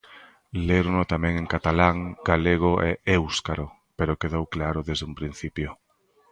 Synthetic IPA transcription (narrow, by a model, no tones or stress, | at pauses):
leɾonot̪amɛ̃ŋeŋkat̪alaŋɡ̥aleɣ̞oʔeʔewskaɾo | peɾokeðowklaɾoðezðumpɾin̟θipjo